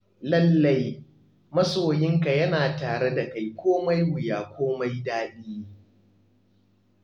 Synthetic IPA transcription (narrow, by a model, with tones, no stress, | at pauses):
lɐ˦lːa˦j | mɐ˦soː˨jɪ˦ŋka˨jɐ˦naː˨taː˨ɽe˦da˨ka˨jkʷoː˦ma˦jwʊ˨jaː˨kʷoː˦ma˦jdaː˦ɗiː˦